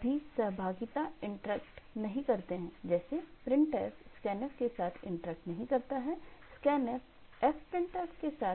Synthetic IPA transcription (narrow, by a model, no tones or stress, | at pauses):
bʱisɐɦbʱaːɡɪt̪aɪ̃ɳʈɾɛːkʈnɐɦĩkɐɾt̪eɦɛ̃ːd͡ʒɛːsepɾɪ̃ɳʈɛːsskɛːnɛfkesaːt̪ʰɪ̰̃ɳʈɾɛːk̚ʈnɐɦĩkɐɾt̪aɦɛskɛːnɛf | ɛfpɾɪ̃ɳʈɛːkskesaː